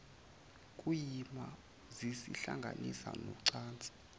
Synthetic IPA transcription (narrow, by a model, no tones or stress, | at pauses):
kʼujima | zisiɬaŋɡʱa̰nisanɔǀaːnt͡sʼi̥